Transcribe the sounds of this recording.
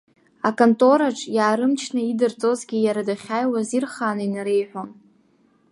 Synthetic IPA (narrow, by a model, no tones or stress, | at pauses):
akʼontʼo̞ɾaʈ͡ʂʰʼjaːɾɨmt͡ʃʰnaidɨrt͡sʼo̞zɡʲijaɾadaχʲaːjwazirχaːnainaɾe̞jħʷon